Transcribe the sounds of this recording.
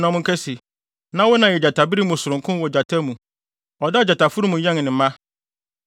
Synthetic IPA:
nã˨mʊ̃˦kʰɛ˦si˨ | nã˦wʊ˦nã˨jɛ˨d͡ʑa˨tʰa˨bi˦ɾi˦mũ˨sʊ˨ɾʊ̃˨ŋkʰʊ̃˦n˦wɔ˨d͡ʑa˨tʰa˦mũ˨ | ɔ˨dɛ˦˨d͡ʑa˨tʰa˨fʊ˦ɾu˦mũ˨ɲɛ̃˦ŋ˨nɪ̃˨m̩˦mã˦

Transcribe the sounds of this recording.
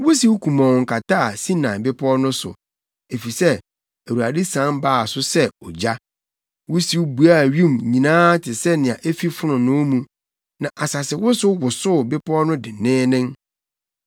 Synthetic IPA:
wʊ˦si˦wkʰũ˨mɔ̃˨ŋ̩˨kʰa˨tʰaː˦a˨si˦nã˨bɪ˦pʰɔ˦nʊ̃˦sʊ̰˨ | e˨fi˨sɛ˦ | æ˨u˨a˨di˦sã˦baː˦˨sʊ˦sɛ˦ɔ˨d͡ʑa˦ | wʊ˦si˦wbu˨a˦˨ɥĩ˦˨mɲĩ˨nãː˦tʰɪ˨sɛ˦nɪ̃˨ã˨ʔe˦fi˦fʊ˦nʊ̃˨nʊ̃˦mũ˨ | nã˨ʔa˨sa˨sɪ˨wʊ˦sʊ˦wʊ˨sʊ˦˨bɪ˦pʰɔ˦nʊ̃˦dɪ˨nɪ̃ː˦nɪ̃˦ŋ

